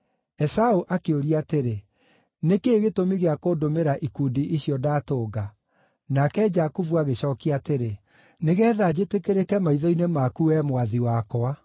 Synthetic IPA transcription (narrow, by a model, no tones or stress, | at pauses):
ɛsaoʔakeoɾiateɾe | nekeːɣetomiɣeakoːdomeɾaʔikuːdiʔiɕiɔdaːtoːɡa | nakɛd͡ʒakuvuaɣeɕɔːkiateɾe | neɣɛːðad͡ʑetekeɾekɛmaiðɔinemakuwɛmwaðiwakɔa